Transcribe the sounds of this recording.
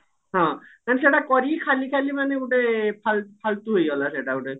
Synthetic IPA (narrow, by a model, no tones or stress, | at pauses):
ɦɔ̃kanes̬eʈakɔɾikʰalikʰalimaneuʈepʰalpʰalt̪uɦojɡɔlaseʈauʈe